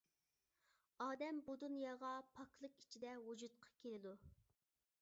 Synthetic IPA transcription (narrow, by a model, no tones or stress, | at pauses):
ɑːd̪ɛmbud̪unjɑʁɑpʰɑkʰlˠəqi̥t͡ʃʰid̪ɛwud͡ʒut̪̚qʰɑ̥kʲʰelɪd̪u